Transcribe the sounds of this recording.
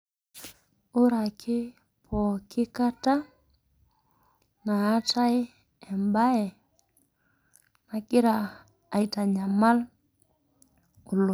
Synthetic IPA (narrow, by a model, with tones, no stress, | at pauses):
ʊ˦ɾa˨kʰɪ˦ | pʰɔ˨kɪ˦ka˦ta˦ | naː˨˦ta˦j | ɛ˨mba˦ɛ˨ | na˨kɪ˦ɾaː˨ | i˨ta˨ɲa˨ma˦l | ʊ˨lu˨